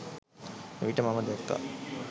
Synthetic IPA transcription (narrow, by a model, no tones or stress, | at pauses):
eʋiʈəmaməd̪ɛɾt̪ːa̰